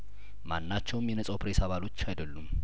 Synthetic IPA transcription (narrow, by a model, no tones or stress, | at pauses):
manːat͡ʃːɛwɨmjɛnəsʼawpɾesaβalo̞t͡ʃːajd̪əlːum